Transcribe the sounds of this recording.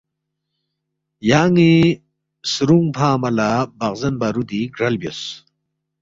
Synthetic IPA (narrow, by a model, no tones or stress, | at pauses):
jaːŋi | sɾuŋpʰaːmɐlabɐqzɐnbɐɾud̪iɡɾɐlbjos